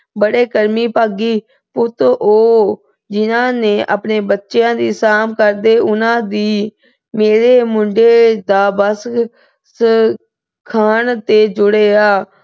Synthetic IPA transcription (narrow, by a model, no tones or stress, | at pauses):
bəɽeːkəɾmiːpaːɡiː | pʊt̪oː | d͡ʒɪnãːneːʔa̰ːpɳeːbətːʃejãːd̪iːsaːmkəɾd̪eːʔʊnãːd̪iː | meːɾeːmʊɳɖeːd̪aːbəs | s | kʰaːɳt̪eːd͡ʒʊɽeːaː